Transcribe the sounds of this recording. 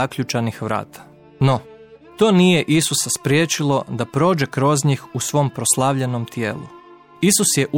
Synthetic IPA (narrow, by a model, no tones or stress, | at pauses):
akʎut͡ʃanixʋɾa̰ːt̪ʰḁ | no | t̪o̞ːnije̞ʔisusaspɾjeːt͡ʃilˠo̞d̪apɾo̞ːd͡ʒekɾo̞zɲixusʋo̞mpɾoslˠaʋʎeno̞mt̪jeːlṵ | isusjeʔu